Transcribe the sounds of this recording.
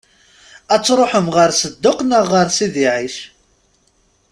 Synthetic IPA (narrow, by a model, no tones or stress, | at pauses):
æt͡sːɾˤoħəmʁəɾsəd̪ːʊqnəʁːəɾsiðiʕiʃ